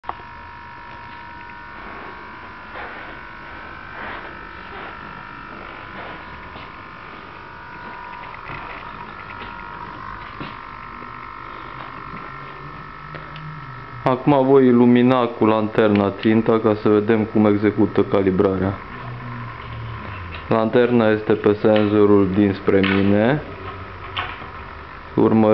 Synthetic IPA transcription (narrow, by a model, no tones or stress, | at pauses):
akumavo̞jiluminakulant̪e̞rnat̪sint̪akasəve̞d̪e̞mkume̞ɡze̞kut̪əkalibɾaɾea | lant̪e̞rnaje̞st̪e̞pe̞se̞nzo̞ɾuld̪inspɾe̞mine̞ | ṵrmə